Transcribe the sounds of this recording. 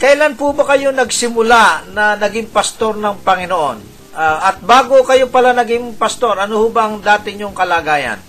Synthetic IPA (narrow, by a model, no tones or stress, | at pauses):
kɐjlanpʊbɐkɐjonɐɡsɪmʊlanɐnɐɡɪŋpɐst̪o̞ɾnɐŋpɐŋɪnoʔo̞n | ʔʔɐt̪̚baːɡokɐjopɐlanɐɡɪŋpɐst̪o̞ɾʔɐnohʊbɐʔɐŋd̪aːt̪ɪɲʊŋkɐlaːɡaːjɐ̰n